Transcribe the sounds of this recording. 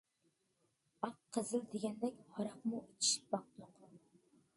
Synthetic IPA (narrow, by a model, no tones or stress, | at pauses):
ɑqqʰːəzɨld̪eɡʲɛnd̪ɛkʲhɑɾɑqmuit͡ʃʰi̥ʃi̥p̚bɑq̚t̪ʊq